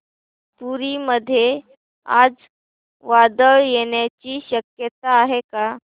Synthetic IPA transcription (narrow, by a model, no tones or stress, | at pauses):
puɾiməd̪ʱːje | a̰d͡z | ʋad̪əɭjeɳjat͡ɕiːɕəkjət̪aːɦeka